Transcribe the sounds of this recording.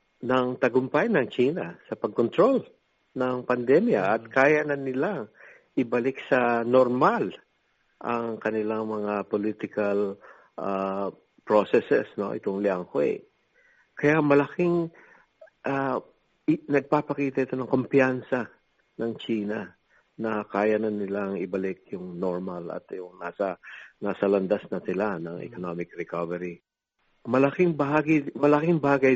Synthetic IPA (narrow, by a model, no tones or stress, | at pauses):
nɐŋt̪ɐɡʊmpajnɐŋt͡ʃiːnɐsɐpɐɡ̚kont̪ɾo̞l | nɐŋpɐnd̪ɛmjaʔɐt̪̚kaːjanɐnɪlaŋ | ʔɪbɐlɪk̚sɐnoɾmal | ʔɐŋkɐnɪlaŋmɐŋapolit̪ɪkɐl | ʔa | pɹosɛsɛsno̞̰ʔɪ̰t̪o̞ŋlɪaŋhwɛ̰ | kɐjamɐlɐkiŋ | ʔa | nɐɡ̚papɐkiːt̪ɐʔɪt̪o̞nɐŋko̞mpɪansɐ | nɐŋt͡ʃiːnɐ | nɐkaːjɐnɐnɪlaŋɪbɐlɪk̚jʊŋnoɹmɐlɐ̰t̪jʊŋnaːsɐnaːsɐlɐnd̪asnɐsɪlanɐŋʔɛ̰konomɪkɾɛkavɛɾi | mɐlɐkɪŋbɐhaːɡɪmɐlɐkɪŋbaːɡɐj